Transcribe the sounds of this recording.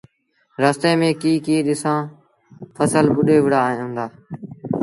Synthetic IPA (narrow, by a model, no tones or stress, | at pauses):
ɾaːst̪eːmẽːkiːkiːɗɪsãː | pʰəsəlbʊɗeːʋɪɽãːnd̪aː